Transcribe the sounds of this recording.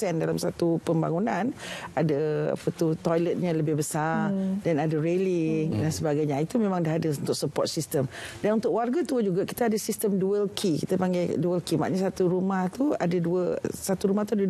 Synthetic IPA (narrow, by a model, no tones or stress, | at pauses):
ɛndalamsat̪upəmba̰ŋunãnadəa̰pət̪ut̪ɔjlət̪̚ɲaləbɪhbəsadanadəɾeliŋdansəbaɡajɲait̪umẽmãŋdaɦadəunt̪ʊʔ̚səpɔ̰t̪̚sist̪əmdanunt̪ʊkwarɡat̪uəd͡ʒuɡaki̥t̪aːdasist̪əmduəlkʰikit̪apaŋɡajduəlkima̰ʔɲasat̪uɾumaht̪ua̰daduəsat̪uɾumaht̪uada